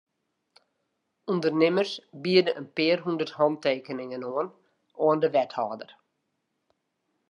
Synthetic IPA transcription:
undərnɪmərsbiədəʔənpɪərɦundərthɑnteːkənɪŋənɔən | ɔəndəʋɛthaːdər

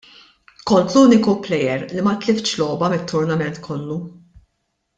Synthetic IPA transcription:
kɔnt̪luːnɪkuplɛjɛɾlimɐt̪lɪfʃlɔːbɐmɪt̪ʰːʊɾnɐmɛnt̪kʰɔlːu

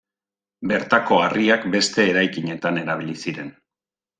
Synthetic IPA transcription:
be̞ɾt̪ako̞ariakbe̞st̪e̞ːɾajkiɲe̞t̪ane̞ɾaβ̞ilisiɾe̞n

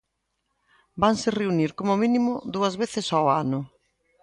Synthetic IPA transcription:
baŋsɪreuniɾkomomĩnimʊðuɐzβeθɪsawanʊ

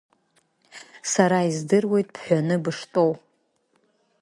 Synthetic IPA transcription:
saɾaizdɨrwe̞jtʼpʰħʷᶣanɨbɨʂtʼo̞w

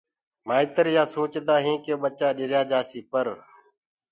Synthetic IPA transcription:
maːɪt̪əɾjaːsoːt͡ʃd̪aːɦẽːkeːɓət͡ʃaːɗɪɾjaːd͡ʒaːsiːpəɾ

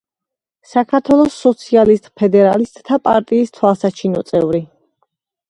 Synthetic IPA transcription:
sakʰaɾt̪ʰwɛlˠɔsːɔt̪sʰialist̪ʼpʰɛd̪ɛɾalist̪ʼt̪ʰapʼaɾt̪ʼiːst̪ʰwasat͡ʃʰinɔ̰t̪sʼɛvɾi

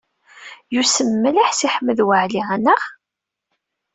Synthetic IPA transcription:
jusəmːəlaħsiħəmːəðwəʕliʁænəʁ

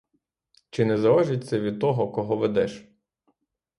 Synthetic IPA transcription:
t͡ʃɪnɛzɐɔʒɪt̪̚ʲsʲɐʋʲid̪̚t̪ɔɦɔkɔɦɔʋed̪ɛʃ

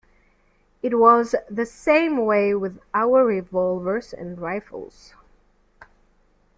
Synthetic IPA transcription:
ɨt̚wʌzðɨsẽɪ̃mweɪwɪðaʊə˞ɹɪvɔlˠvə˞zɨ̰̃nɹaɪfl̩ˠz̥

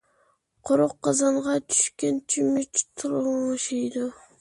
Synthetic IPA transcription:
qʰoɾoqːɑzɑɴʁɑt̪ʰy̥ʃkʲent͡ʃʰymyt͡ʃt̪ʰuɾŋʃejd̪o

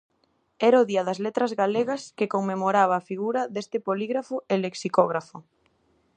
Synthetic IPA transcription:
ɛɾʊðiɐðɐzlet̪ɾɐzɣaleɣɐskɪkoŋmemoɾaβ̞ɐːfiɣuɾɐðest̪ɪpoliɣɾafʊeleksikɔɣɾafʊ

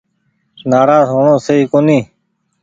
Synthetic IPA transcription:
naːɾaːzɦoːɳõːseiːkoːnĩː

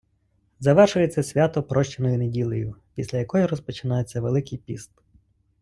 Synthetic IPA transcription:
zɐʋɛrʃʊjet͡sʲːɐsʲʋʲat̪ɔpɾɔʃt͡ʃɪnɔjʊnedʲilˠejʊpʲisʲlʲɐjɐkɔjiɾɔspɔt͡ʃɪnɑjet͡sʲːɐʋelˠɪkɪjpʲist̪

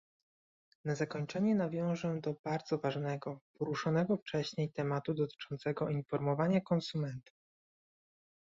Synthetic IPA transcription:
nazakɔɲt͡ʂɛɲɛnavʲjɔ̃w̃ʐɛd̪ɔbaɾd̪zɔvaʐnɛɡɔpɔɾuʂɔnɛɡɔft͡ʂɛɕɲejt̪ɛmat̪ud̪ɔt̪ɘ̥t͡ʂɔnt̪sɛɡɔʔinfɔɾmɔvaɲakɔnsumɛnt̪u̥

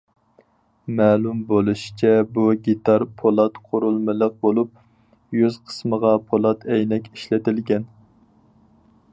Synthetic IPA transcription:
mɛːlˠumbolˠuʃi̥t͡ʃʰɛbuɡʲit̪ɑɾpʰolˠɑt̪qʰoɾulˠmɨlˠəq̚bolˠup̚ | jyzqʰə̥sməʁɑpʰolˠɑt̪ʰɛjnɛkʲiʃlɪt̪ɪlɡʲɛn

